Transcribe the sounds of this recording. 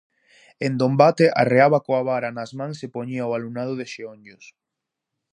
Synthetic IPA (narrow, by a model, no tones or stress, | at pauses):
end̪ombat̪eʔa̰reaβakoaβaɾanazmãŋsepoɲiaoalunað̞ʊðeʃeoɲʊs